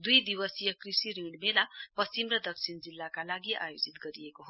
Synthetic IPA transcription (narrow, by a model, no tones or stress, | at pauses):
d̪ujd̪ibʌsijʌkrisiɾiɖmelapʌst͡simrʌd̪ʌk̚t͡sʰind͡zilːakalaɡiʔa̰jod͡zit̪ɡʌɾijekoɦo